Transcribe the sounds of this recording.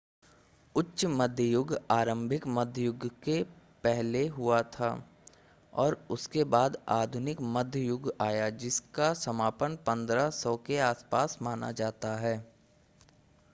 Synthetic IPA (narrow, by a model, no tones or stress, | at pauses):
ʊtːʃmɐd̪ʱjəjʊɡaːɾə̃mbʱɪkmɐd̪ʱjəjʊɡʱke | pɛɦleɦuat̪ʰa̰ː | ɔːɾʊskebaːd̪aːd̪ʱʊnɪkmɐd̪ʱjəjʊɡʱaːjad͡ʒɪskasəmaːpənpə̃nd̪ɾasɔːkeaːspaːsmaːna̰d͡ʒaːt̪aɦɛː